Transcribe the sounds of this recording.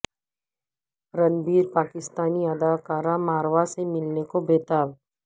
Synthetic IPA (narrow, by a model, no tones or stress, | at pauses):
ɾɐnbiːɾpaːkɪst̪aːniɐd̪aːkaːɾamaːɾʋasemɪlnekobeːt̪aːʋ